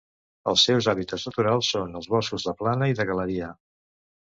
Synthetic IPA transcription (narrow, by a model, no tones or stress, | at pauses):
əlˠsːɛwzaβit̪əznət̪uɾalˠsːonəlˠzβɔskuzðəplanəiðəɣələɾiə